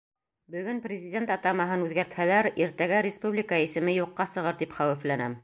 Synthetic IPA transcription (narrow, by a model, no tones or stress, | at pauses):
bɵ̆ɡɵnprʲɪzʲɪdʲe̞nt̪ɑt̪ɑmɑɦɤnʉðɡæɾt̪hælæɾiɾt̪æɡæɾʲɪspublʲɪkɑisɘ̆mɘjuqːɑsɤ̆ʁɤɾt̪ipχæwɘ̆flænæm